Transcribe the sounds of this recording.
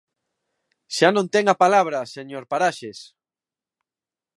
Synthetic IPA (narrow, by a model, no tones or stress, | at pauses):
ʃanõnt̪ɛŋapalaβ̞ɾɐseɲoɾpaɾaʃes